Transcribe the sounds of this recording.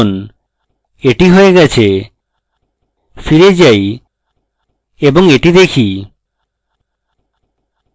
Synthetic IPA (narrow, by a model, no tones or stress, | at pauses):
n | eʈiɦoeɡɛt͡ɕʰe | fiɾed͡ʑaj | eboŋeʈid̪ekʰi